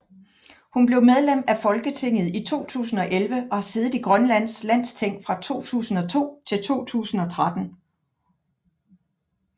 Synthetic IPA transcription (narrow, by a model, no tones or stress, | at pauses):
hunb̥le̝ʊmeð̞ˠlem̰æfɒ̽lɡ̥ət͡sʰe̝ŋ̰ð̞̩ˠit͡sʰo̝̰ːt͡sʰṵːsn̩ɒ̽ʔelʋəʔɒ̽hæse̝ːðˠð̩ˠiɡ̥ʁɶnlæn̰slæn̰st͡sʰeŋ̰̥fʁɑ̈t͡sʰo̝̰ːt͡sʰṵːsn̩ɒ̽t͡sʰo̝̰ːt͡sʰe̝lt͡sʰo̝̰ːt͡sʰṵːsn̩ɒ̽t͡sʰʁad̥n̩